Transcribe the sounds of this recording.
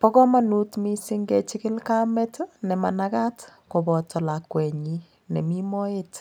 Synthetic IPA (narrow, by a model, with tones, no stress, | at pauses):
pɔ˦kɔ˦ma˨nu˦tmi˦si˦ŋɡe˦t͡ʃɪ˦kɪ˦lka˦mɛ˦tnɛ˨ma̰˨naka˦tko˨bɔ˨tɔ˨lakwɛ˨ɲi | nɛ˨mi˦mɔ˦et